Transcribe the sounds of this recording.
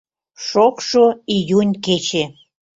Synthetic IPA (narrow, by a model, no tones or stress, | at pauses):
ʃokʃoijunʲket͡ɕe